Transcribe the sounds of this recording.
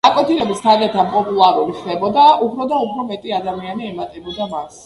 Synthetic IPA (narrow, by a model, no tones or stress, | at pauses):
akʼwɛt̪ʰilɛbist̪ʰaɾɛt̪ʰapʼɔpʼulˠaɾuliχd̪ɛbɔd̪aupʰɾɔd̪aupʰɾɔmɛt̪ʼiad̪amianiɛmat̪ʼɛbɔd̪amas